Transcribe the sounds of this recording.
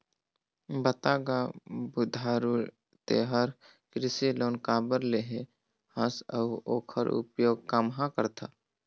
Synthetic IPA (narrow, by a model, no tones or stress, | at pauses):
bət̪aːɡabud̪ʱaːɾuɾ | t̪ḛɦəɾ | kɾɪsiloːnkaːbəɾleɦe | həsə̰uoːkʰəɾʊ̰pjoːɡ̚kamɦãkəɾt̪ʰaː